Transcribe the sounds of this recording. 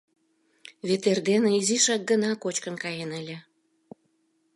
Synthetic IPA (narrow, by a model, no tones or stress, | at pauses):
βet̪erd̪eneiziʃɑk̚ɡənɑkot͡ɕkənkɑjenəlʲĕ